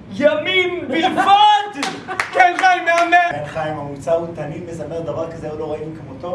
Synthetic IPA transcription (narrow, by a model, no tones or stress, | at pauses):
jaminbivat̪kɛnχajmeameenχajimamut͡saut̪animesameʁd̪avaʁkazeoloʁaikamot̪o